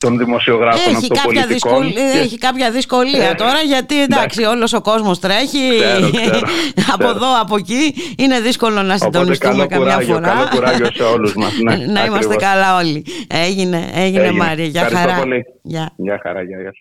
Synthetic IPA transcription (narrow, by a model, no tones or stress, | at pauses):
t̪onðimosioɣɾɐefnçikɐlçɐðisoeçikɐpçɐðisko̞liɐt̪o̞ɾɐʝɐt̪ind̪ɐksio̞lo̞so̞ko̞zmo̞st̪ɾe̞çi | ɐpoðo̞ɐpo̞ciine̞ðisko̞lo̞nɐsiid̪onist̪umekɐmɲɐfoɾɐuɾɐoseoluzmɐsnnɐimɐsst̪ekɐlɐo̞lieʝine̞eʝinemɐɾiɐʝɐɐɾxɐɾɐɐli | ʝɐʝɐxɐ̰ɾɐʝɐjɐs